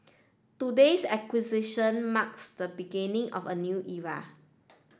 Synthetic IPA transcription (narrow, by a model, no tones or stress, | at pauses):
tudesɛkwiziʃə̃nmaksd̪əbiɡinĩŋʔɔ̰fənjuʔiɹa̰